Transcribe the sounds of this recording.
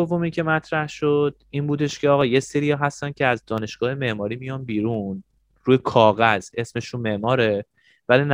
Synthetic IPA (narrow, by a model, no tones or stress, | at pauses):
ovomincʰe̞mæt̪ʰɾæhʃo̞d̪̥̚iːnbuːd̪e̞ʃcʰeɒːɣɒːje̞seɾijɒːɦæst̪æn̚cʰeæzd̪ɒːne̞ʃɡ̥ɒːhe̞me̞ʔmɒːɾiːmijɒːnbiːɾun | ɾuːjekʰɒːɣæz̥e̞sme̞ʃunme̞ʔmɒːɾe̞ | vælin